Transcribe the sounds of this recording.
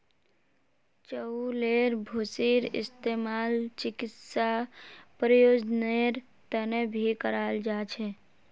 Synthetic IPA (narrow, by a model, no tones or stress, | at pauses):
t͡ʃəuleɾbʱosiɾɪ̰st̪emalt͡ʃɪkɪt̪sapɾəjod͡ʒneɾ | t̪ənebʱikəɾaːld͡ʒat͡ʃʰe